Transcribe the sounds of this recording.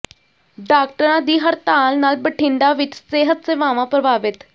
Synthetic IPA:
ɖaːk̚ʈəɾãːd̪iːɦəɾt̪aːlnaːlbəʈʰɪ̃ɳɖ̪aːʋɪt͡ʃseːɦət̪seːʋaːʋãːpɾəbaːʋɪt̪

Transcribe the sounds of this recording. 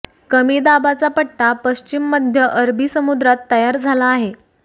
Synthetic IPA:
kəmiːd̪abat͡sapəʈʈapəɕt͡ɕimːəd̪ʱjəʔəɾbiːsəmud̪ɾat̪ːəjaɾd͡zʱalaːɦe

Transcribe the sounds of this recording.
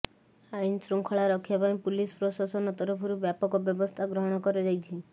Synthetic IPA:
ajnsɾuŋkʰɔɭaɾɔkʰjapaĩpulispɾɔsasɔnɔt̪ɔɾɔpʰuɾubjapɔkɔbjɔbɔst̪ʰaɡɾɔɦɔɽ̃ɔkɔɾɔd͡ʒajt͡ʃʰi

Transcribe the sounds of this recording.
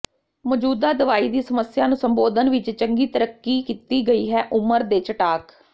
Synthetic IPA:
mɔːd͡ʒuːd̪aːd̪ɪʋaːiːd̪iːsəməsɪjaːnũːsəmboːd̪ənʋɪt͡ʃt͡ʃəŋɡiːt̪əɾəkːiːkiːt̪iːɡəiːɦɛːʔʊməɾd̪eːt͡ʃəʈaːk

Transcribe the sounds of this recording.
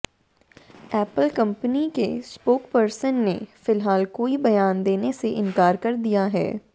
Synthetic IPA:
ɛːpəlkɐ̃mpənikḛspoːkpɐɾsənːḛfɪlɦaːlkoːibɐjaːnd̪eːneseʔɪ̃nkaːɾkɐɾd̪ijaɦɛ̰ː

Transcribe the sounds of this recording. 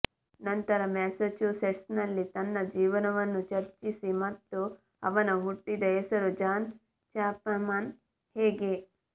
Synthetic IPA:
nɐnt̪ɐɾɐmɛːset͡ʃuseʈsnɐlːit̪ɐnːɐd͡ʒiːʋɐnɐʋɐnːut͡ʃɐɾt͡ʃisimɐt̪ːu | ɐʋɐnɐɦuʈːid̪ɐesɐɾud͡ʒaːn | t͡ʃaːpɐmaːn | hɛːɡe

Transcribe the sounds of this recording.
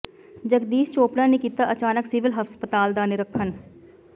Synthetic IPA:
d͡ʒəɡd̪iːst͡ʃoːpɽãːnekiːt̪aːʔət͡ʃaːnəksɪʋɪlɦəfspət̪aːld̪aːneɾəkʰːən

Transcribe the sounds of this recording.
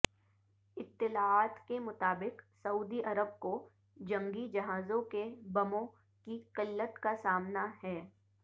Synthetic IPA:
ɪt̪ːɪlaaːt̪kemʊt̪aːbɪqsɐuːd̪iʔɐɾəb̚ko | d͡ʒɐ̃ŋɡid͡ʒɐɦaːzõkebɐmõ | kiqɪlːət̪kasaːmnahɛː

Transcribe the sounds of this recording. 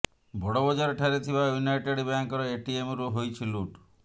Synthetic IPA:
bʱɔɽɔbɔd͡ʒaɾɔʈʰaɾet̪ʰibajunajʈeɽbaŋkɔɾɔeʈiemɾuɦojt͡ʃʰiluʈ

